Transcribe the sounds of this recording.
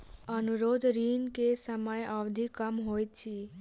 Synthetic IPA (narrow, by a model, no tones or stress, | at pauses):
ənuɾoːd̪ɾiːnkesəməjəʋd̪ʱikəmɦoːj̪t͡ʃʰi